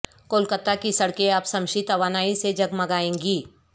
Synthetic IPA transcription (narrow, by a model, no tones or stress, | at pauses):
koːlkət̪akisɐɽkeaːpsɐ̃mʃit̪ɐʋaːnaːised͡ʒɐɡmɐɡaːẽːŋɡiː